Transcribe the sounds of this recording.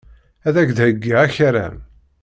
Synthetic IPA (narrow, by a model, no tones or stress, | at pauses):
æðækd̪həɡːaæçaɾæ̰n